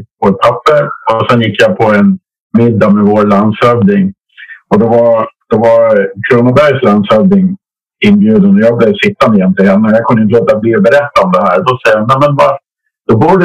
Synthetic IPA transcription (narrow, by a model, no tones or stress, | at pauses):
vɔt̪̚pʰapːəɾɔsɛnjɪkːjapʰɔɛn | mɪd̪ːamɛvoːɾlansœvnɪŋ | ɔd̪ɛvaɾd̪̥ɛvaɾkʰɾuːnabæɾjslansœvnɪŋ | ɪnbjʉːd̪ənɔjɑːbleːvsɪt̪ːamɛjɛnt̪lɪhɛnːəjaːkʰɵnːəɪnəloːt̪abliɾbɛɾɛt̪ːaɔmd̪ɛhæːɾd̪ɔsɛjːanæmənva | d̪̥ɔbuːɖ